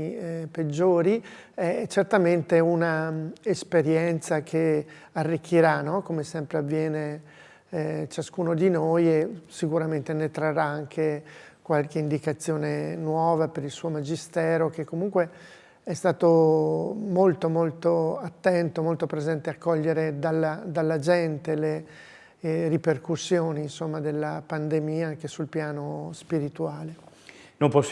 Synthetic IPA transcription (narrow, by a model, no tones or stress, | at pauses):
ped͡ʒːoːɾi | ɛt͡ʃert̪ament̪eunaespeɾjɛnt̪sakʰe | arːikʰːiɾanɔkomesɛmpɾeavːjɛːne | t͡ʃaskuːnod̪inojesikuɾament̪enet̪ɾarːaaŋkʰekwalkeind̪ikat̪sːjoːnenwɔːvapeɾilsuːomad͡ʒist̪ɛːɾok̟ekːomuŋkwe | ɛst̪aːt̪o | molt̪omolt̪oat̪ːɛnt̪omolt̪opɾezɛnt̪eakːɔʎːeɾed̪alːad̪alːad͡ʒɛnt̪ele | riperkusːjoːniːnsomːad̪elːapand̪emiːaaŋkesulpjaːnospiɾit̪uaːlenompos